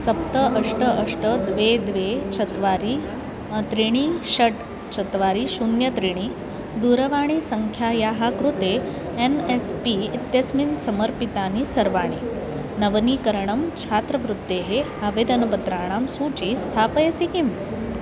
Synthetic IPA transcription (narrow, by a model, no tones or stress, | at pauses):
sɐp̚t̪əʔəʂʈəʔəʂʈəd̪ʋed̪ʋet͡ɕʰɐt̪ʋaɾi | t̪ɾiɽ̃iɕəʈ | t͡ɕʰət̪ʋaːɾisunjɐt̪ɾiɽ̃i | d̪uɾəʋaːɽ̃isəŋkʰjajaɦakɾut̪e | enespiːt̪jɐsminsɐməɾpit̪aːnisɐɾʋaːɽ̃i | nɐʋniːkəɾɳəmt͡ɕʰaːt̪ɾəʋɾut̪ːeɦe | aʋed̪ɐnɐpət̪ɾaːɳ̃amsuːt͡ɕist̪ʰaːpəjɐsikim